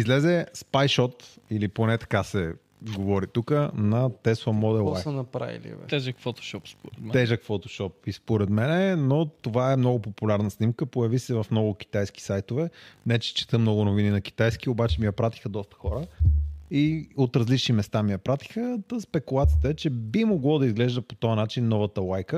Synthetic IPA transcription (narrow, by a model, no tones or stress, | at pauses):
izlɛzɛspajʃɔt̪iliponɛt̪ɐ̥kasɛ | ɡovɔɾit̪ukənɐt̪ɛsvɐmɔd̪ɛlˠsənɐpɾa̰ḭlḭvɛ̰t̪ɛʒəkfot̪o̥ʃɔpspoɾɛt̪ɛʒəkfot̪o̥ʃɔpispoɾɛd̪mɛnɛnot̪ovaɛmnɔɡʊpopulʲaɾnəsnimkəpojɐvisɛvɐfmnɔɡʊk̟i̥t̪ajski̥sajt̪ovɛnɛt͡ʃɛ̥t͡ʃɛ̥t̪əmnɔɡʊnovininɐki̥t̪ajsk̟iobat͡ʃɛmiɐpɾat̪i̥xəd̪ɔst̪ə̥xɔɾə | iot̪ɾɐzlit͡ʃnimɛst̪amiɐpɾat̪i̥xət̪əspɛkulˠat̪sijət̪əɛt͡ʃɛbimoɡlˠɔd̪ɐizɡlɛʒd̪əpot̪ɔjɐnat͡ʃinːɔvɐt̪əlˠajkə